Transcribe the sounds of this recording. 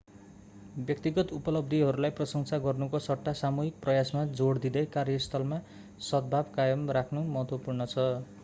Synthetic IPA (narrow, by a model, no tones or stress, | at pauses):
bjʌk̚t̪iɡʌt̪upʌlʌb̚d̪ʱiɦʌɾulajprʌsʌŋsʰaɡʌrnukosʌʈːasamuɦik̚prʌjasmad͡zoɽd̪id̪ʌjkarjʌst̪ʰʌlma | sʌd̪̚bʱabkajʌmrakʰnumʌɦʌt̪wʌpurnʌt͡sʰʌ